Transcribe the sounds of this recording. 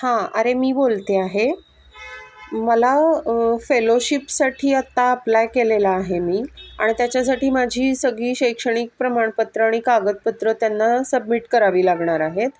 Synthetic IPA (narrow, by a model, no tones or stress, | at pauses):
hãə̰ɾemiːbolt̪eaɦe | məlafeloɕipsaʈʰiːat̪ːaːplajkelelaːɦemiːa̰ɽ̃it̪jat͡ɕjas̬aʈiːmad͡ʑʱiːsəɡɭiːɕəjkʂəɽ̃ik̚pɾəmaɳ̃pət̪ɾəaɽ̃ikaɡət̪̚pət̪ɾət̪janːasəb̚miʈkəɾaʋiːlaɡɳaɾaɦet̪